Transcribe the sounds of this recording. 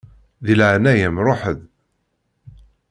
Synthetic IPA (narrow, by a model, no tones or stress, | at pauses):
ðilʕnæjæmɾˤoħəð